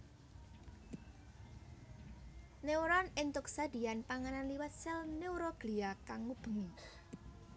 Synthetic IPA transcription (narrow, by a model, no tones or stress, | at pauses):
neuɾɔnɪnt̪ʊk̚sad̪̥i̤janpaŋananliwət̪sɪlneuɾɔɡ̥liakaŋːub̥ə̤ŋi